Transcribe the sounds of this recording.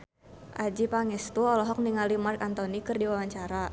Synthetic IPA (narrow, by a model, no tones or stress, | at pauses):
ʔad͡ʒipaŋɛst̪uɔlɔɦɔk̚niŋalimarkant̪ɔnikɨrdiwawaɲt͡ʃaɾa